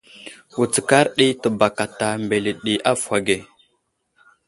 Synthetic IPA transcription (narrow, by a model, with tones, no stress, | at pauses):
wu˨t͡sə˨ka˦ɾɗi˦tə˨ba˨ka˨ta˨mbe˨li˨ɗi˨ʔa˦fwʷa˨ɡe˨